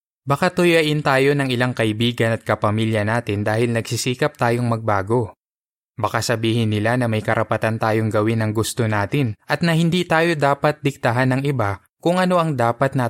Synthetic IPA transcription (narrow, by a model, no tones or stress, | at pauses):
bɐkat̪ʊjɐʔɪnt̪aːjo̞nɐŋɪlaŋkɐʔɪbiːɡɐnɐt̪̚kɐpɐmiːljɐnaːt̪ɪnd̪aːhɪlnɐɡsisiːkɐp̚t̪aːjo̞ŋmɐɡ̚baːɡo̞ | bɐkasɐbiːhɪnːɪlanɐmɐjkɐɾʔɐpɐt̪ant̪aːjo̞ŋɡɐwɪnɐŋɡʊst̪o̞naːt̪ɪnʔɐt̪̚nɐhɪnd̪iːt̪aːjo̞d̪aːpɐt̪̚d̪ɪk̚t̪ɐɦanɐŋɪba | kʊŋʔɐno̞ʔɐŋd̪aːpɐt̪̚nɐ